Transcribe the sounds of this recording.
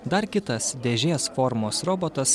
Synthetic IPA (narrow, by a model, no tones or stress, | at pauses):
d̪ɐɾkʲɪt̪ɐsd̪ʲeːʒʲeːsfɔɾmoːsɾoːboːt̪ɐs